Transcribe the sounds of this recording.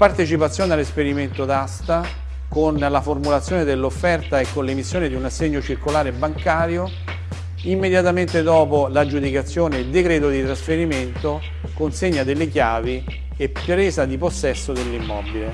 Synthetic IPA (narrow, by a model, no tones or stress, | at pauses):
part̪et͡ʃipat̪sjoːnealːespeɾiment̪ot̪ast̪a | konlaformulat̪sjoːned̪elːofːɛrt̪aekːonlemisːjoːned̪iunasːeɲːot͡ʃirkolaːɾebːaŋkaːɾjo | imːed̪jat̪ament̪ed̪ɔːpolad͡ʒud̪ikat̪sːjoːneild̪ekɾɛːt̪od̪it̪ɾasfeɾiment̪o | konseɲːad̪elːekjaːvi | epɾeːzad̪iposːɛsːod̪elːimːɔbile